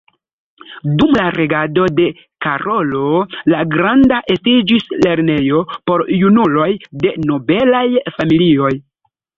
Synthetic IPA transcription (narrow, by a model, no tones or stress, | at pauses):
dumlaɾe̞ɡado̞de̞ | kaɾo̞lo̞laɡɾandaʔe̞stid͡ʒisle̞ɾne̞jo̞po̞ɾjunulo̞jde̞no̞be̞lajfamilio̞j